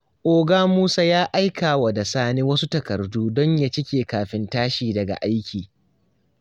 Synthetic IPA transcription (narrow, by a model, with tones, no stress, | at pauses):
ʔoː˨ɡaː˦muː˦sa˦jaː˦ʔa˦jkʰaː˨wa˨da˨saː˦neː˦wɐ˦su˦tɐ˨kɐ˨rduː˦dɔ˦ɲja˦t͡ʃɪ˦kʲeː˨kaː˨ɸɪ˦ntaː˦ʃiː˨dɐ˨ɡa̰˨ʔa˦jkʲiː˨